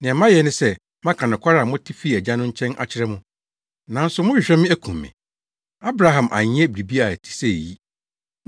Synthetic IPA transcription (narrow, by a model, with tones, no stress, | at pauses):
nɪ̃˨ɛ˨mã˦jɛ˨nʊ̃˦sɛ˦ | mã˦kʰã˨nʊ̃˨kʷʰa˦ɾa˦˨mʊ̃˦tʰi˦fi˦˨ɛ˨d͡ʑã˦nʊ̃˦ɲ̩˦t͡ɕʰɛ̃˦nʔa̰˦t͡ɕʰɪ˦ɾɛ˦mʊ̃˦ | nã˨n̩˦sʊ˨˦mʊ̃˦ɪ˨ɕᶣɾɛ˦mɪ̃˦æ˦kʰũ˨mːɪ̰̃˨ | a˦bɾa˨ɦã˨mʔa̰˨ɲĩ˦ɛ˦bɾi˨bi˦a˨ɛ˨tʰi̥˨sɛ˦˨ji˦